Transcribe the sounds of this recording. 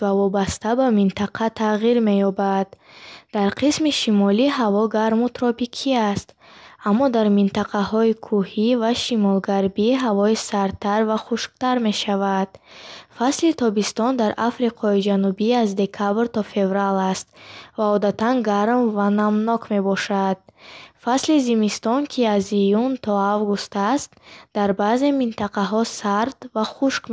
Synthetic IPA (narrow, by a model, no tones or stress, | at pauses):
vavɔbast̪abamint̪ʰaqʰat̪ʰaʁiɾme̞jɔbad̪d̪̥aɾqʰismiʃimɔliɦavɔɡaɾmut̪ɾɔpikʰiast̪ | amːɔd̪aɾmint̪aqʰahɔikʰuhivaʃimɔlɡaɾbiɦavɔisaɾt̪ʰaɾvaχuʃkt̪aɾme̞ʃavad̪̥̚faslit̪ʰɔbist̪ɔnd̪aɾʔafɾiqʰɔid͡ʒanubiazd̪e̞kʰabɾt̪ɔfe̞vɾalast̪vaɔd̪at̪anɡaɾmvanamnɔkʰme̞bɔʃad̪̥̚faslizimist̪ɔnkʰiazijunt̪ʰɔavɡust̪ast̪d̪̥aɾbaːze̞mint̪aqaɦɔsaɾd̪vaχuʃk